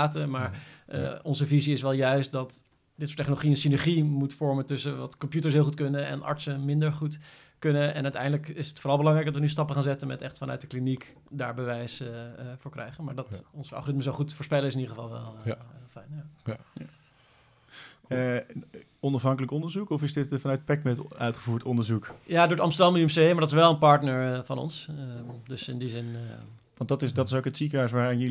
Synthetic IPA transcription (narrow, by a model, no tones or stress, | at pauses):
təmaːɹ̰ | ɔnzəviziɪsʋɛlˠjœɥst̚dɑt | d̥ɪtso̥ːɹtɛχnoloχiəənsinɛɹχimutfɔɹmətɵsəʋɑ̰tkɔmpjutəɹsɦɪlˠχutkɵnəɛ̰nʔɑ̰ɹtsəmɪndəɹχut | kɵnəɛ̰nœɥtɛ̰jndələkɪsətfoːɾɑlˠbəlɑŋɾɛjk̚dɑtʋənys̬tɑpəχaːnzɛtənmɛtɛχtfɑnœ̰t̚dəklinik | da̰ːɹbəʋɛjsfʊːɹkrʔɛ̰jχənmaːɹdɑtɔnzəʔɑ̰lˠχoːrɪtməzoχutfʊːɹspɛlˠəɪsɪnidəχəvɑ̰lˠʋɛ̰lˠfɛjnja | ɔnɑfɦɑŋkələkɔndəɹzukɔfɪsdɪtfɑnœɥt̚pɛk̚mɛtœɥtχəvuːɹtɔndəɹzukjaːdoːɹdəɑmstəɹdɑmyɛmsejmaɹdɑtɪsʋɛlˠənpɑɹtnəɹvɑnɔ̰nsdɵsɪ̰ndizɪn | ʋɑndɑtɪsdɑtɪsowkətsikəɦœs̬ʋaːɾɪnjə